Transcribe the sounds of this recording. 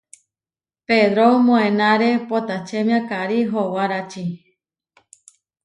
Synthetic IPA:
ped̪ɾomõẽnãɾepot̪at͡ʃemj̃ãkaɾiɦowaɾat͡ʃi

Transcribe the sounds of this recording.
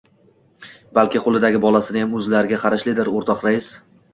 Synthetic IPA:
balkʲɪqʰolˠɪd̪aɡʲɪbɒlˠasɪnɪjamɵzlaɾɪɡʲaqʰɑɾaʃlɪd̪ɪɾoɾt̪ʰɒqɾaɪs

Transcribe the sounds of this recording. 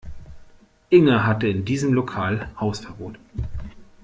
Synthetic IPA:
ʔɪŋəɦatəɪndiːzəmlokʰaːlhaʊsfɛɐboːt

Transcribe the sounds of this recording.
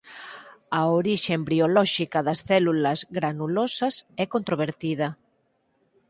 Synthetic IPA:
ɐoɾiʃembiolɔʃikɐðɐsθɛlulɐzɣɾanulosɐsɛkont̪ɾoβ̞eɾt̪ið̞ɐ

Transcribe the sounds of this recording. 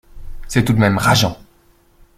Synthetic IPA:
sɛt̪ud̪mɛmʁaʒɑ̃

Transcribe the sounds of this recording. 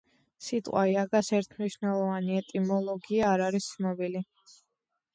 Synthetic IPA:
sit̪ʼqʼwaiaɡasɛɾt̪ʰmniʃnɛlˠɔvaniɛt̪ʼimɔlˠɔɡiaːɾaɾist̪ːnɔbili

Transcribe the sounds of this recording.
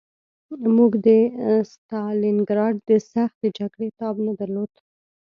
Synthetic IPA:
muɡd̪əst̪ɑlɪnɡɾɑɖ̚d̪əsaxt̪əd͡ʒaɡɽet̪ɑbnad̪aɾlod̪

